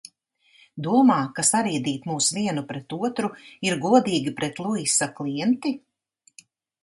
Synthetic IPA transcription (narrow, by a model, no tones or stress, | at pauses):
d̪uɔmaːkasaɾiːd̪iːt̪muːsviɛnupɾɛt̪uɔt̪ɾuiɾɡuɔd̪iːɡʲipɾɛt̪lˠuisaklˠiɛnt̪i